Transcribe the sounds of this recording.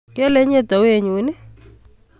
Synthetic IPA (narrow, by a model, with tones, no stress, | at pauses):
ke˦le˦ɲe˦tɔ˨we˦˨ɲu˨˦ne˦